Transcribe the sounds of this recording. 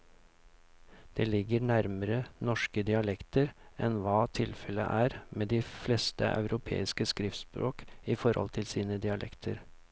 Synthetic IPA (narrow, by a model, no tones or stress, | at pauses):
d̪̥eːlɪɡəɾɳæɾməɾənɔʂkəd̪ɪɑlɛkt̪əɾɛnʋɑːt̪ʰɪlfɛlə̰ʔæːɾmeːd̪ɪfleːst̪ə̰ʔɑ̰ʉɾʔʊpʰḛːɪskəskɾɪft̪spɾo̰ːkɪfɔɾhɔ̰lt̪ʰɪlsiːnəd̪ɪɑlʔɛ̰kt̪ʰəɾ